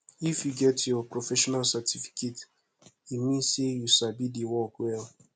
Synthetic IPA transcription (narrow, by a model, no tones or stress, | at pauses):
ifjuɡɛtjɔpɹofɛʃɔnalsatʰifi̥kʰet | imĩnsejusabidewɔkwɛl